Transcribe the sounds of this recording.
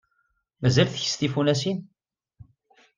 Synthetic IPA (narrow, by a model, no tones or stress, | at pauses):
mæzælθçəst̪ifunæsin